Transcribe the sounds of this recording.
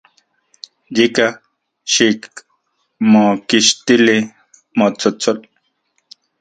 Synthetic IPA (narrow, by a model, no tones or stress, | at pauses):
d͡ʑika | ɕik | mõkiɕt̪ili | mot͡sʰot͡sʰol